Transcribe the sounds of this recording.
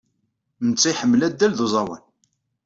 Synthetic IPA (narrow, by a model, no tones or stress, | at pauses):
mət͡sːiħəmːlæd̪ːælðuzˤɑwə̰n